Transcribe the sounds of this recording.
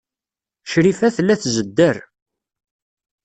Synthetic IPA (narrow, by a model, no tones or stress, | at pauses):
ʃɾifæθlːæθzəd̪ːəɾ